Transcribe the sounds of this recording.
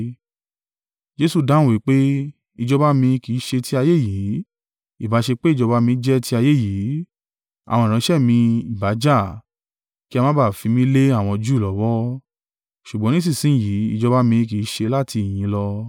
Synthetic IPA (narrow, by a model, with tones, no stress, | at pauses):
d͡ʒe˦su˧dã˦wi˨˦k͡pe˦ | i˧d͡ʒɔ˧ba˦mĩ˧ki˨˦ʃe˧ti˦a˧je˦˨ji˨˦ | i˦˨ba˨˦ʃe˧k͡pe˦i˦˨d͡ʒɔ˧ba˧˦mĩ˧˦d͡ʒɛ˦ti˧˦a˧je˦˨ji˨˦ | a̰˨w̃ɔ̃˧˨ɾ̃ã˨˦ʃɛ˦˨mĩ˧i˨ba˨˦d͡ʒa˦˨ | ki˦a˧mã˦ba˦˨fĩ˧mĩ˦le˦a˦˨w̃ɔ̃˧d͡ʒu˦i˨lɔ˨˦wɔ˦ | ʃu˨ɡ͡bɔ̃˨˦nĩ˦s̬ĩ˦˨sĩ˦˨ji˨˦ḭ˦˧d͡ʒɔ˧ba˦mĩ˧ki˨˦ʃe˧la˦ti˧i˨j̃ĩ˨˧lɔ˧